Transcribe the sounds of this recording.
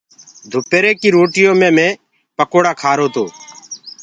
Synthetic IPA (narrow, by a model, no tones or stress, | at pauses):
d̪ʱʊpeːɾeːkiːɾoːʈɪjõːmẽːmẽː | pəkoːɽaːkʰaːɾoːt̪oː